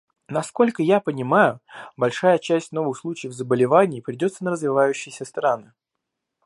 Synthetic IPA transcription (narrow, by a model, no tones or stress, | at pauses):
nɐsko̞lʲkəjapənʲɪmajʊbɐlʲʂajət͡ɕæsʲtʲno̞vɨxslˠut͡ɕɪjvzəbəlʲɪvanʲɪːpɾʲɪdʲo̞t̪sənəɾəzvʲɪvajʉɕːɪjɪsʲəst̪ɾanɨ